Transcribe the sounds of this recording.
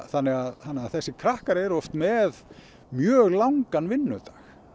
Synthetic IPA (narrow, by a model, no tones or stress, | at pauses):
θanːɪɣaðθanːɪaðθɛsːɪkʰɾahkaɾɛɾɔft̪mɛð | mjœːɣlawŋkanvɪnːʏt̪ḁx